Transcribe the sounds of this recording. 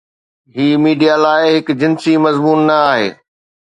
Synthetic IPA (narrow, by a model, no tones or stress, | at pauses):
ɦiːmiːɖijalaːɪɦɪkd͡ʑɪnsimɐzmuːnːɐaːɦḛː